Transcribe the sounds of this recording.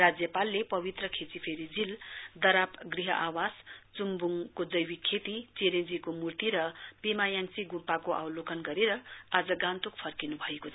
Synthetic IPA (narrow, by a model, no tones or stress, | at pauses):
rad͡zjʌpalːepʌbit̪rʌkʰet͡sipʰeɾid͡zild̪ʌɾapɡriɦʌʔawast͡sumbuŋkod͡zʌjwikʰːet̪it͡seɾend͡zikomurt̪iɾʌpemajãŋt͡siɡumpakoʔawlokʌnɡʌɾeɾʌad͡zʌɡãnt̪ukpʰʌrkinubʱʌekot͡sʰ